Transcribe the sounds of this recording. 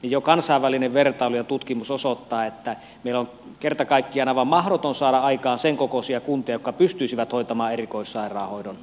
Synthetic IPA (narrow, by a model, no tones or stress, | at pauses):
nijjokɑnsɑˑeʋʋælineʋʋert̪ɑolujɑt̪ut̪kimusosot̪ːɑːet̪ːæ | meˑilːoŋ | kert̪ɑkɑˑikːiɑnɑʋɑmmɑhɾot̪onsɑːɾɑɑikɑːnseŋkokosiɑkunt̪iɑjokːɑpyst̪yisiʋæt̪oˑit̪ɑmɑːerikoˑisːɑˑirˑɑːhoˑidon